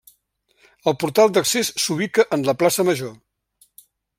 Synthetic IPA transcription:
əlˠpuɾt̪alˠd̪əksesːuβ̞ikəʔənləplasəməʒo

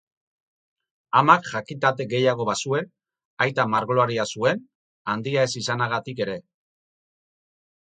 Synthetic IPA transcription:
amakʝakit̪at̪e̞ɣe̞jaɣ̞o̞βasue̞n | ajt̪amaɾɣloaɾiasue̞n | and̪iae̞sisanaɣ̞at̪ike̞ɾe̞

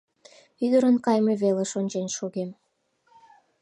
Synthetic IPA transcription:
yd̪əɾənkɑjmeβeleʃonʲt͡ɕenʃoɣem

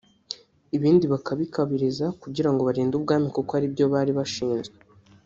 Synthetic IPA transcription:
iβiːndiβakʰaβikʰaβiɾizakuɟiɾaŋɡo̞βaɾiːndubɡaːmikokoaɾibjo̞βaːɾiβaʃiːnzɡe

